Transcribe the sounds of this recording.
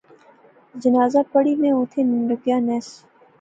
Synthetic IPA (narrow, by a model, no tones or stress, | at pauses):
d͡ʒənaːzapəɽimẽʊ̃ːt̪ʰenɾʊkjaːnɛːs